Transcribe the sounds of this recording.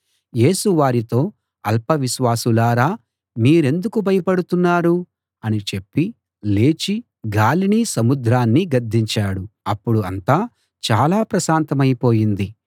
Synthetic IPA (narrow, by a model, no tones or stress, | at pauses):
je̞ːsuʋaːɾit̪o̞ː | ɐ̰lpɐʋiʃʋaːsulaːɾaː | miːɾe̞nd̪ukubɐjɐpɐɽut̪unːaːɾu | ɐnit͡ʃe̞pːi | le̞ːt͡ʃi | ɡaːliniːsɐmud̪ɾaːnːiɡɐɾd̪ʱːiɲt͡ʃaːɽuɐpːuɽuɐ̰nt̪aː | t͡ʃaːlaːpɾɐʃaːnt̪ɐmɐjpo̞ːjind̪i